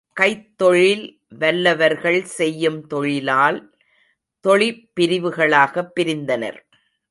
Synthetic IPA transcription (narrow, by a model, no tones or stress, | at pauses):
kɐɪt̪ːɔɻɪl | ʋɐlːɐʋɐɾɣɐɭsɛjːɯmt̪ɔɻɪlaːl | t̪ɔɭɪpːɪɾɪʋɯɣɐɭaːɣɐpːɪɾɪnd̪ɐnɐ̰ɾ